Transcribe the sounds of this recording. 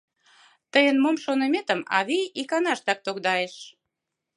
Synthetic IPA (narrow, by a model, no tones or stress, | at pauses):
t̪əjənmomʃonəmet̪ə̆mɑ̰βiikɑnɑʃt̪ɑk̚t̪okd̪ɑeʃ